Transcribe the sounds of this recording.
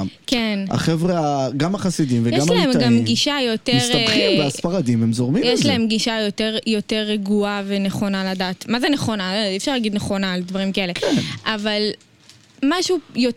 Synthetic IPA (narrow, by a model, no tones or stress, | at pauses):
kena̰χevʁeaɡamaχasidimvejeɡamalaemɡamɡiʃajo̞tesʁeimveasfaʁadimhemzoʁmimjeʃlae̞mɡiʃajote̞ʁjo̞te̞ʁeɡuave̞neχo̞naladaːtmazeneχo̞naloifʃaʁlaɡid̪neχo̞naːldvaʁimkae̞le̞kenʔaval | maʃujo